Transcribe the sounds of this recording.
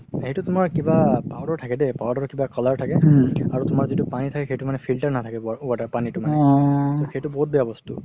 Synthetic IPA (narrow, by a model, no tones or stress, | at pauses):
hejtʊtʊmaɹkibapawdɔɹtʰakɛdɛpawdɔɹkibakɔlaɹtʰakɛaɹutʊmaɹzitupanitʰakɛxejtumanɛpʰiltaɹnatʰakɛauadaɹpanitʊmanɛxejtʊbɔɦut̚bɛjabɔstṵ